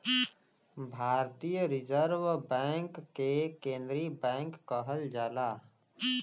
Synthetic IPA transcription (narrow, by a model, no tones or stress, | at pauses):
bʱaːɾt̪ijəɾɪzəɾwbɛ̃ːŋkːekẽːnd̪ɾibɛ̃ːŋkːəɦəld͡ʒaːlaː